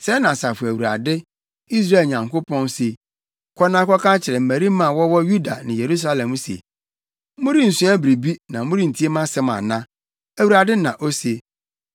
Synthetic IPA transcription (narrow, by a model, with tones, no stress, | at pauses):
sɛ˦nã˨sa˨fʊ˨æ˨wu˨ɾa̰˨dɪ˦ | i˦s̬ɾa˦e˨ɲã˨ŋko˦pʰɔ̃˦n˦se˨ | kʰɔ˦nã˦kɔ˦kʰa˦t͡ɕʰɪ˨ɾɛ˨m̩˨mæ̃˨ɾi˦mã˦˨wɔ˦wɔ˦ju˦da̰˨nɪ̃˨je˨ɾu˦s̬a˦lɛ̃˨mu˦sḛ˨ | mʊ̃˦ɾi˦n̩˨sũ˦æ˦bɾi˨bi˦nã˨mʊ̃˦ɾĩ˦n̩˨tʰi˦e˦mã˦sɛ˦mã̰˨nã˦ | æ˨wu˨ɾa˨dɪ˦nã˨ʔo˦se˨